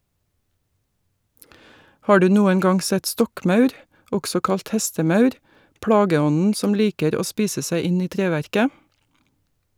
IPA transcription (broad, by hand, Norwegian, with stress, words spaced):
ˈhɑː ˈɖʉː ˈnuːən ˈɡɑŋ ˈsɛt ˈstɔkˌmɑʉɾ ˈɔɡsɔ ˈkɑlt ˈhɛstəˌmɑʉɾ ˈpɽɑːɡəˌɔnn̩ ˈsɔm ˈliːkəɾ ˈoː ˈspiːsə ˈsæɪ ˈɪn ˈiː ˈtɾeːˌʋæɾkə